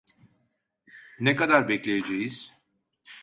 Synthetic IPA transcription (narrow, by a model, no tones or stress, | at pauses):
nekad̪aɾbɛclʲejed͡ʒejiz̥